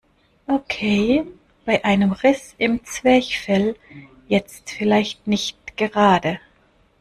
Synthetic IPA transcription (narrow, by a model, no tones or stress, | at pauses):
ʔokʰeː | b̥aɪʔaɪnəmʁɪsɪmt͡sv̥ɛːçfɛl | jɛt͡stfɪlaɪçtnɪçtɡ̥əʁaːdə